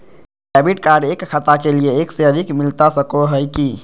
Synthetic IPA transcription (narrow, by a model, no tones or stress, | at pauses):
ɛːbiʈkaːɾɖeːkxʰət̪akelieeːkseɐd̪ʱɪkmɪlt̪asɐkoɦɛjki